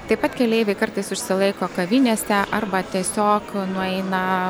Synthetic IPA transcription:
t̪ɐɪpɐt̪kʲɛlʲeːɪʋʲɛɪkɐrt̪ɐɪsʊʃʲsʲɪlˠɐɪkoːkɐʋʲinʲeːsʲɛʔɐrbɐt̪ʲiɛsʲoːknʊɛɪnɐ

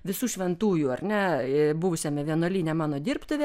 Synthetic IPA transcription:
ʋʲɪsuːʃʲʋʲɛnt̪uːjuːɐrʲnʲɛbʊʋʊsʲɛːmʲɛʋʲiɛnuɔlʲiːnʲɛmɑːnoːd̪ʲiːrpt̪ʊʋʲeː

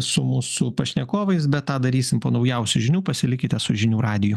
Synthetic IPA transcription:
sʊmuːsʊpɐʃʲnʲɛkoːʋɐɪsbʲɛt̪tɑːd̪ɐɾʲiːsʲɪmpoːnɐʊjɛʊsʲʊʒʲɪnʲuːpɐsʲɪlʲɪkʲɪt̪ʲɛsʊʒʲɪnʲuːɾɑːd̪ʲɪjʊ

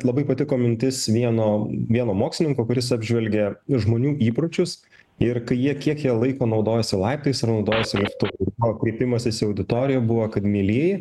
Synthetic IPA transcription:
lˠɐbɐɪpɐt̪ʲɪkoːmʲɪnʲt̪ʲɪsʋʲiɛnoːʋʲiɛnoːmoːksʲɪnʲɪŋkoːkʊɾʲɪsɑːbʲʒʲʋʲɛlʲɡʲɛʒmoːnʲuːiːpɾʊt͡ʃʲʊs | ɪɾkɐɪjiɛkʲiɛkjiɛlˠɐɪkoːnɒʊd̪oːjɛsʲɪlˠɑɪpt̪oɪsɐɾnɐʊd̪oːjɛsʲɪlʲɪpt̪ʊʋɐbɔkɾʲeɪpʲɪmɐsʲɪsɪɐʊd̪ʲɪt̪oːɾʲɪjɛbʊʋɐkɐt̪mʲiːlʲiɛjɪ

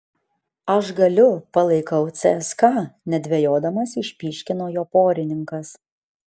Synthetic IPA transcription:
ɐʃɡɐlʲʊpɐlˠɐɪkɐʊt̪sʲɛskɑːnʲɛd̪ʲʋʲɛjoːd̪ɐmɐsɪʃʲpʲiːʃʲkʲɪnoːjoːpoːɾʲɪnʲɪŋkɐs

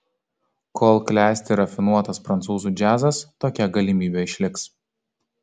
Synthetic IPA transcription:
kʰoːlˠklʲæːsʲt̪ʲɪɾɐfʲɪnuɔt̪ɐspɾɐnt̪suːzuːˑd͡ʒʲæːzɐst̪oːkʲɛɡɐlʲimʲiːbʲeɪʃʲlʲɪks

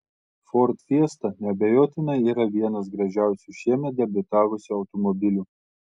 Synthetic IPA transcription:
fɔɾt̪fʲiɛst̪ɐnʲɛbʲɛjoːt̪ʲɪnɐiːɾɐʋʲiɛnɐs̬ɡɾɐʒʲæˑʊsʲuʃʲiɛmʲɛt̪̚d̪ʲɛbʲɪt̪ɑːʋʊsʲʊɒʊt̪ɔmɔbʲɪlʲu

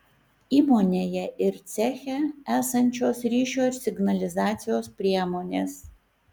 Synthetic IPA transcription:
iːmoːnʲeːjɛʔɪɾt̪sʲæːxʲɛæːsɐnʲt͡ʃʲoːsɾʲiːʃʲoːsʲɪɡnɐlʲɪzɑːt̪sʲɪjoːspʲɾʲiɛmoːnʲeːs

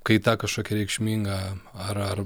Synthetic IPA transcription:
kɐɪt̪ɑːkɐʃkoːkʲɛɾʲɛɪkʃʲmʲiːŋɡɐɐɾɐr

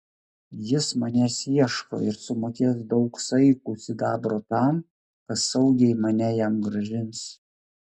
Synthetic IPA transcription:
jɪsmɐnʲɛsiɛʃko̰ɪɾsʊmoːkʲeːs̬d̪ɒʊksɐɪkʊsʲɪd̪ɑːbɾoːt̪ɑm | kɐt̪sɐʊɡʲɛɪmɐnʲɛjæmɡɾɐʒʲɪns

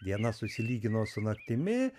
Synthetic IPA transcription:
d̪ʲiɛnɐsʊsʲɪlʲiːɡʲɪnoːsʊnɐkt̪ʲɪmʲɪ

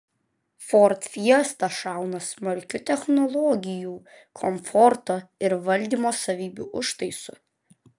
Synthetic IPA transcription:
fɔːɾt̪fʲiɛst̪ɐʃɑˑʊnɐsmɐɾʲkʲʊt̪ʲɛxnɔlˠɔɡʲɪjuː | kʰɔmfɔɾt̪oɪɾʋɐlʲˑd̪ʲiːmoːsɐʋʲiːbʲuːʔʊʃt̪ɐɪsʊ̰

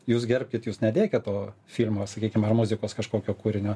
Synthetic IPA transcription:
juːsɡʲɛrʲpʲkʲɪt̪juːsnʲɛd̪ʲeːkʲɛt̪toː | fʲiːlʲmoːsɐkʲiːkʲɪmɐrmʊzʲɪkoːskɐʃkoːkʲoːkuːɾʲɪnʲoː

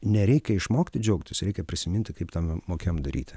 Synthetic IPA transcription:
nʲɛɾʲɛɪkʲɛɪʃmoːkʲt̪ʲɪd͡ʒʲɛʊkt̪ʲɪsɾʲɛɪkʲɛpʲɾʲɪsʲɪmʲɪnʲt̪ʲɪkɐɪpt̪ɐmmoːkʲeomd̪ɐɾʲḭːt̪ʲɪ

